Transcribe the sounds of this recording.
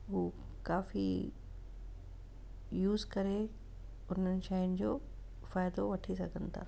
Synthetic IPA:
ɦuː | kaːfḭ | juːzkɐɾe | ʊn̤ənɪ̆ʃaːɪʊnɪ̆d͡ʑoː | faːɪd̪oʋɐʈʰisɐɡʱənɪ̆t̪ʰa̰ː

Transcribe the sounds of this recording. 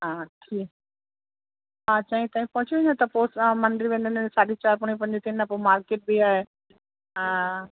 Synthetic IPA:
ɦãːʈʰiːk | ɦãːt͡ɕɐɦĩt̪ãːɦĩpɐɦʊt͡ɕiʋẽnd̪ot̪ɐposmɐ̃ɳɖɾiʋẽːnd̪ənsaːɗit͡ɕaːɾpʊɽ̃ĩpɐ̃ɲd͡ʑit̪inːɐ̃pomaːɾkeːʈ̚biaːɦẽ

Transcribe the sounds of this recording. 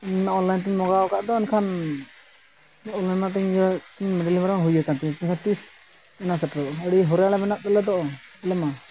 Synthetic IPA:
ɛnnaɔnlajnt̪iɲmɔɡaɔkaʔd̪ɔɛnkʰan | ɔlamat̪̬ɛɲɔt̪iɲmɛɖalimaɾaɦujakant̪ɛɛɲkʰant̪is | ɛnasɛʈɾɔəɽiɦɔɾjalɛmɛnap̚d̪ɛlɛd̪ɔʔɔɛlɛma

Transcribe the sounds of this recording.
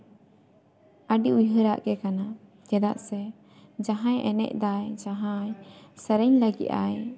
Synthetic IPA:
əɖiujɦəɾaʔkɛkana | d͡ʒɛd̪a̰ʔsɛ | d͡ʒaɦãjʔɛnɛ̰ʔ̚d̪ajd͡ʒaɦãjsəɾɛɲləɡḭʔ̪a̰j

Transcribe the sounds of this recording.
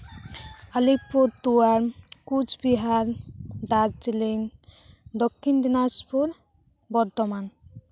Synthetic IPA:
alipuɾt̪uaɾkud͡ʒbiɦaɾd̪ad͡ʒd͡ʒilin | d̪okʰːind̪inaspuɾ | bɔɾt̪ɔman

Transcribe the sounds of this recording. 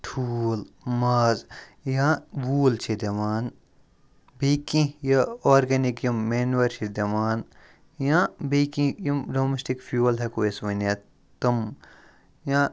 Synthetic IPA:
ʈʰuːl | maːzjãbuːlt͡ʃʰid̪ɐʋaːn | beːkĩjaoːɾɡenikjɐmːeːnʋɐɾt͡ʃʰid̪ɐʋaːn | jãbekĩjɐmɖoːmesʈikfjuːlɦekoesʋɐna | t̪ɐm | jãː

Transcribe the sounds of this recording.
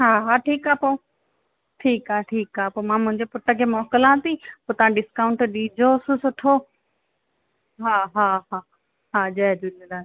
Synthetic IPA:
ɦaːɦaːʈʰiːkaːpoː | ʈʰiːkaːʈʰiːkaːpoːmãːmʊ̃ɦɪ̃ɲd͡ʑepʊʈəkʰeːmɔːkəlãt̪ĩpoːt̪ɐʋãɖɪskaːʊɳʈɗiːd͡ʑʱosũsʊʈʰo | ɦaːɦaɦaː | ɦaːd͡ʑɐd͡ʑund̪aː

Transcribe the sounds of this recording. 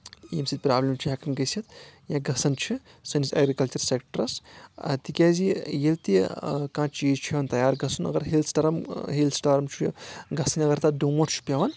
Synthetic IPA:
ḭːmsid̪̚ʲpɾaːblʲɐmt͡ʃʰiɦɐkɐmɡɐsʲɐt̪̚jãːɡɐsɐnt͡ʃʰi | sɐnisʲɐ̰ɡɾikɐlt͡ʃɐɾseːkʈɐɾɐsɐ̰t̪ikʲaːzijelt̪ikãːt͡ʃʰjeːt͡ʃʰiʋɐnt̪ɐjaːɾɡɐsunɐ̰ɡɐɾɦilsʈɐɾɐmɦilsʈaːɾɐmt͡ʃʰuj̰ɡɐsɐnʲɐɡɐɾt̪ɐɖumɐʈt͡ʃʰu̥pʲɐʋɐn

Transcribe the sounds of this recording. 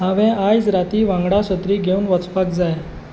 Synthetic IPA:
ɦaʋɛ̃ajd͡zɾat̪iːʋãŋɡɽaɕət̪ɾiːɡʱeũːnʋət͡spak̚d͡zaj

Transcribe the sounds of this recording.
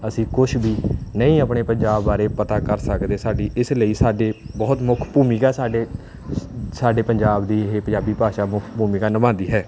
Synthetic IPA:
əsĩːkʊʃʰbiːnəĩːəpɳeːpəɲd͡ʒaːbːaːɾeːpət̪aːkəɾsəkd̪eːsaːɖiːʔɪsləiːsaːɖeːbɔːt̪mʊkʰpuːmikaːsaːɖeː | saːɖeːpəɲd͡ʒaːbd̪iːɦeːpəd͡ʒaːbiːpaːʃaːmʊkʰpuːmikaːnəmãːnd̪iːɦɛː

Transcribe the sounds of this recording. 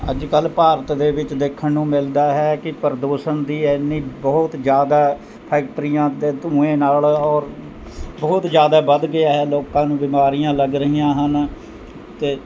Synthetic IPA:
əd͡ʒkəlpaːɾət̪d̪eːʋɪt͡ʃd̪eːkʰːənːũːmɪld̪aːɦɛːkɪpəɾd̪oːʃənd̪iːɛnːiːbəːʊt̪d͡ʒjaːd̪aː | pʰɛːk̚ʈɾijãːd̪eːt̪ũːẽːnaːlɔːɾ | bɔːt̪d͡ʒjaːd̪aːbəd̪ɡɪaːɦɛːloːkãːnũːbɪmaːɾijãːləɡɾəɦiːãːɦən | t̪eː

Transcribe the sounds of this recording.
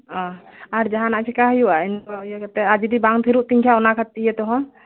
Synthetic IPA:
ɔ̃aɾd͡ʒaɦanaʔt͡ʃʰɛkaɦəjuwainjɛkɛt̪ɛad͡ʒid̪ibaŋt̪ʰiɾuʔt̪iŋkʰjaɔnakʰat̪ːijɛt̪ɔɦɔn

